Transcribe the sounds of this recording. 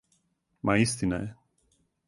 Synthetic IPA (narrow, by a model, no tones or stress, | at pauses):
mʔaist̪ina̰jɛ